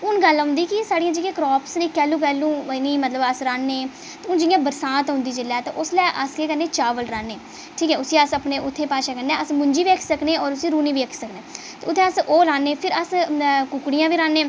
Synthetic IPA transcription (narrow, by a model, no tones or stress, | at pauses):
ʊnɡəlɦʊ̃nd̪iːkɪsaːɽijãːd͡ʒɪjãːkɾɔːpʰsneːkɛːlũːk̬ɛːlũːniːmət̪ləbəsɾãːnːeː | ʊnd͡ʒɪɪjãːbəɾsãːt̪ɦʊ̃nd̪iːd͡ʒɪlːɛːt̪ḛ̃ːʔʊslɛːʔəskeːkəɾnːeːt͡ʃaːʋəlɾaːnːeː | ʈʰiːkɛːʊsĩːəsəpneːʔʊt̪ʰːeːpaːʃaːkəɾnːẽːəsmʊɲd͡ʒiːʋeːkʰsəkneːɔːɾʊsiːɾuːniːʋeːkʰsəkneː | t̪eʊt̪ʰːẽːəsoːlaːnːeːpʰɪɾəskʊkɽijãːʋiːɾãːnːeː